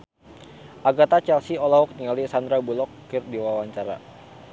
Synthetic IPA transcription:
ʔaɡat̪at͡ʃɛlsiolaɦuk̚t̪iŋalisand̪ɾabulɔkː | ɪrdiwawaɲt͡ʃaɾa̰

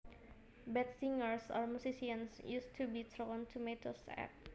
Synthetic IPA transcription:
bɛt̪̚siŋəɹsɔ̰rmusisiənsjust̪ʰubit̪ʰɾontʰumet̪osɛ̰k̚

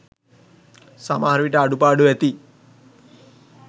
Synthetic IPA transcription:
samaːaɾuʋiʈəaɖupaːɖuʋæt̪i

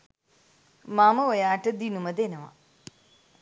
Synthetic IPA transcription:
maməojaːʈəd̪inuməd̪enəʋa̰

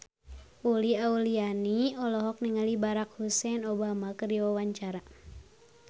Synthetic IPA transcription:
uliaulianiɔlɔɦɔk̚niŋalibaɾak̚husɛnɔbamakɨriwawaɲt͡ʃaɾa

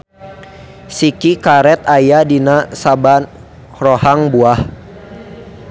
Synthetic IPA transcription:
sikikaɾɛt̪ajadinasaban | rɔhaŋbuah

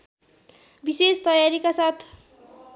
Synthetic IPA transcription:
bisest̪ʌjaɾikasat̪ʰ

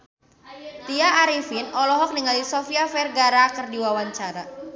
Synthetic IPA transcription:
t̪iaʔːɾifinɔlɔɦɔk̚niŋalisofiafɛrɡaɾakərdiwawaɲt͡ʃaɾa

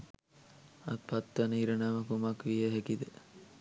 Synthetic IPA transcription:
at̪̚pat̪ːanəiɾənaməkumakʋijəɦekid̪ə

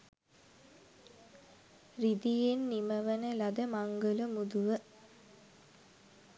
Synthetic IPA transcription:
rid̪ijenːiməʋənəlad̪əmaŋɡələmud̪uʋə

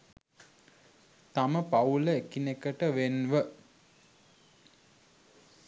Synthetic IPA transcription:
t̪aməpauləekinekəʈəʋenʋə

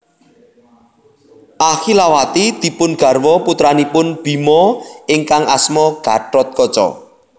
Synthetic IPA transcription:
ʔaxilawat̪id̪̥i̤pʊnɡ̥a̤rwɔput̪ɾanipʊnb̥i̤mɔɪŋkaŋasmɔɡ̥a̤ʈɔt̪̚kɔt͡ʃɔ̰

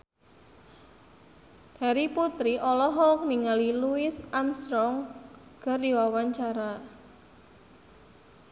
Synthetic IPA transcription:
d̪̥a̤ɾiput̪ɾiʔɔlɔɦɔk̚niŋaliluɪsamst̪ɾɔŋɡ̥ardiwawaɲt͡ʃaɾa

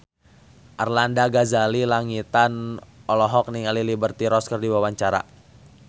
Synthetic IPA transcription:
ʔarlandaɡazalilaŋit̪anɔlɔɦɔk̚niŋalilibərt̪iɾɔskərdiwawaɲt͡ʃaɾa̰

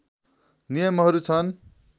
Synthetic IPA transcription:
nijʌmɦʌɾut͡sʰʌn

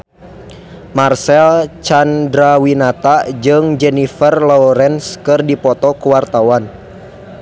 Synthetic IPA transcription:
marsɛlt͡ʃandɾawinat̪ad͡ʒɨŋd͡ʒɛnifərlɔɾɛnskɨrdipɔt̪ɔkuwart̪awan

